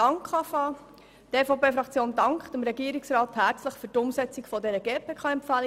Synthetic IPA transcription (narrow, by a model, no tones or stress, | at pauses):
ɑŋkχɑfɑː | teːfopeːfɾɑkt͡sjoːndɑŋkχd̥əmɾɛɡiəɾiksrɾɑːthæːɾt͡sləχfyːtʊmsɛt͡sikfɔdɛɾəɡ̥eːpʰeːkʰɑːɛmpfæli